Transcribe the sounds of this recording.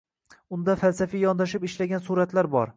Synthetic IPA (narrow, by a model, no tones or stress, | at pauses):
ʊnd̪afalsafijɒnd̪aʃ̬ɪpɪʃlaɡʲansuɾat̪laɾbɒ̰ɾ